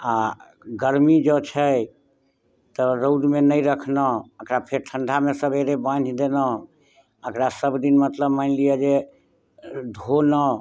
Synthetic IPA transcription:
a | ɡəɾmid͡ʒɔt͡ʃʰəj | t̪ɔɾowd̪menəjɾəkʰnəəkɾapʰeɾʈʰə̃ɳɖʱamesəbeɾebãnd͡ʒʱd̪enə | əkɾasəbd̪inmət̪ləbmanlijəd͡ʒe | d̪ʱonə

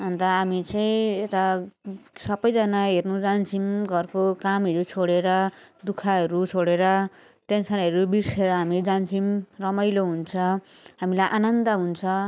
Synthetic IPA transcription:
ɦʌnd̪aɦamit͡sʌĩet̪a | sʌbʌjd͡zʌnaɦernud͡zant͡sʰimɡʌrkokamʌɾut͡sʰoɽeɾʌd̪ukʰaɦʌɾut͡sʰoɽeɾʌ | ʈensʌnʌɾubirseɾʌɦamid͡zant͡sʰimrʌmʌjloɦunt͡sʰʌ | ɦamilajʔanʌnd̪ʌɦunt͡sʰʌ

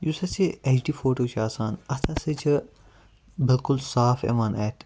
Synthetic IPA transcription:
jusɐsʰiet͡ʃʰɖiːfoːʈoːt͡ʃʰaːsaːnɐt̪ʰɐset͡ʃʰɐ | bɪlkʊlsaːfḛmaːnɛːʈ

